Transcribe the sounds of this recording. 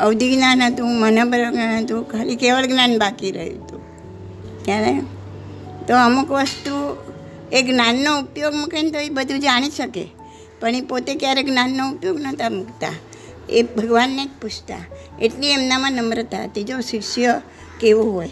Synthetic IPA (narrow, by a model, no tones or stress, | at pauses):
əʋd̪ʱiɡnanɦət̪ũmənabəɾəlɡnanɦət̪ũkʰalikeʋəlɡnanbakiɾə̰ɦḭt̪ũ | kjane | t̪oəmukʋəst̪u | eɡnanːoupjoɡməkənt̪oibəd̪ʱũd͡ʒaɽ̃iʃəkḛ | pəɳ̃ipot̪ekjaɾeɡnanːoupjoɡnət̪ʰamukt̪a̰ | ḛbʱəɡʋanːeek̚put͡ʃʰt̪a̰ | eʈliemnamãnəmɾət̪ʰa̰t̪ed͡ʒosiʃjə | keʋuɦoj